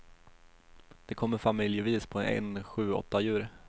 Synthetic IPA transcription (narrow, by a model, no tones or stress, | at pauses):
d̪̥ɛkʰɔmːəɾfamɪljəviːspʰɔɛ̰nɧʉ̟ːɔ̰t̪ːajʉ̟ːɾ